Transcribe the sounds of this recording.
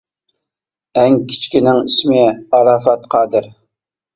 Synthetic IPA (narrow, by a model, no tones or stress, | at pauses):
ɛŋkʲʰi̥t͡ʃkʲinɪŋismɪɑlˠɑːfɑt̪qʰɑːd̪ɨɾ